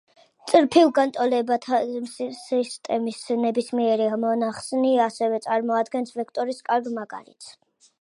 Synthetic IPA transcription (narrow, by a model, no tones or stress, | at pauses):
t̪sʼɾpʰilˠɡant̪ʼɔlɛatʰ | ist̪ʼɛmisnɛbismiɛɾiamɔnaχsniasɛvɛt̪sʼaɾmɔad̪ɡɛnsvɛkʰt̪ʼɔɾiskʼaɾɡmaɡʼa̰ɾḭt̪sʰ